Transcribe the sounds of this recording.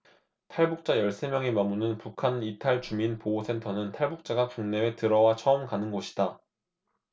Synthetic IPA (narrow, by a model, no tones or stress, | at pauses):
tʰaɭbuk̚t͡ɕ͈ajʌɭs͈e̞mjʌŋimamunɯnpukʰanitʰaɭt͡ɕuminpoɡosʰe̞ntʰʌnɯntʰaɭbuk̚t͡ɕ͈aɡakuŋne̞etɯɾʌwat͡ɕʰʌɯmkanɯnɡʌɕʰi̥d̥a